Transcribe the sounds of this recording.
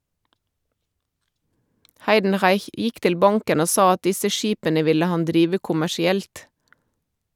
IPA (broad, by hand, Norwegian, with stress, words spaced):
ˈhɑɪdn̩ˌʁɑɪç ˈjɪk ˈtɪl ˈbɑŋkən ˈoː ˈsɑː ˈɑt ˈdɪsə ˈʃiːpənə ˈʋɪlə ˈhɑn ˈdɾiːʋə kʊmæʃɪˈɛlt